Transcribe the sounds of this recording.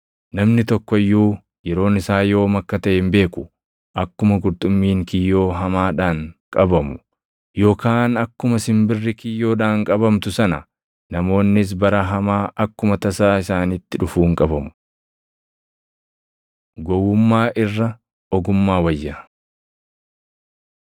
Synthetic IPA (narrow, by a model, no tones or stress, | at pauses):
nɐmnɪt̪ɔkːɔɪjːuː | jɛɾo̞ːnɪsaːjo̞ːmɐkːɐt̪ɐʔɪmbe̞ːkʊ | ʔɐkːʊmɐɡʊɾt̪ʼʊmːiːŋkɪjːo̞ːɦɐmaːᶑaːŋkʼɐbɐmʊ | jo̞ːkaːnɐkːʊmɐsɪmbɪrːɪkɪjːo̞ːᶑaːŋkʼɐbɐmt̪ʊsɐnɐ̰ | nɐmo̞ːnːɪs̬bɐɾɐɦɐmaːʔɐkːʊmɐt̪ɐsaːɪsaːnɪt̪ːɪᶑʊfuːŋkʼɐbɐmʊ̥ | ɡɔwːʊmːaːʔɪrːɐ | ɔɡʊmːaːwɐjːɐ